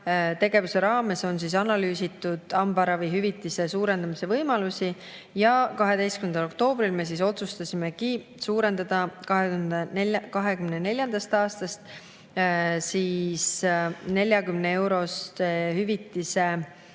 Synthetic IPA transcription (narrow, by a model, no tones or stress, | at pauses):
t̪e̞ɡe̞vuse̞ɾɑːme̞so̞ns̬is̬ɑnɑlyːsit̪ːˑud̪̥ɑmbɑɾɑviɦyvit̪ːˑise̞suːɾe̞nd̪̥ɑmise̞vɤjmɑlusʲi | jɑkɑɦe̞d̪e̞jst̪kymend̪ɑlo̞kt̪o̞ːb̥ɾilme̞s̬iso̞t̪sust̪ɑsime̞ki | suːɾe̞nd̪ɑd̪ɑkɑɦeynd̪enekɑɦe̞kymnene̞lʲjɑnd̪̥ɑst̪ɑːst̪ɑst̪ | siːsne̞lʲjɑkymnee̞wɾo̞st̪hyvit̪ːˑise̞